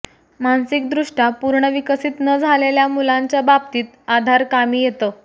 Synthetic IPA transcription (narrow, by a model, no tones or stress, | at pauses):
mansik̚d̪ɾuʂʈapuɾɳəʋikəsiːt̪nəd͡zʱaleljamulaɲt͡ɕjabab̚t̪iːt̪ad̪ʱaɾkamiːjet̪əː